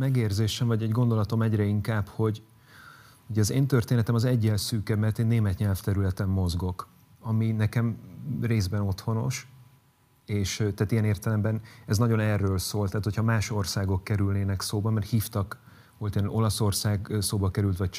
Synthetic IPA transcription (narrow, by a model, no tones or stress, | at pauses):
mɛɡeːrzeːʃɛɱvɒɟɛɟɡo̞nd̪o̞lɒt̪o̞mɛɟrɛiŋkaːbho̞ɟ | huɟɛɒzeːnt̪ørt̪eːnɛt̪ɛmɒzɛɟːɛlsyːkɛmɛrt̪eːnːeːmɛt̪ɲɛlft̪ɛɾylɛt̪ɛmːo̞zɡo̞k | ɒminɛkɛmreːzbɛno̞t̪ho̞no̞̰ʃ | eːʃt̪ɛːt̪ijɛneːrt̪ɛlɛmbɛnɛznɒɟo̞nɛrːøːlsoːlt̪ɛːt̪hocʰhɒmaːʃo̞rsaːɡo̞kːɛɾylneːnɛksoːbɒmɛrt̪hiːft̪ɒk | olt̪eːno̞lɒso̞rsaːɡsoːbɒkɛɾylt̪ʋɒc̚t͡ʃ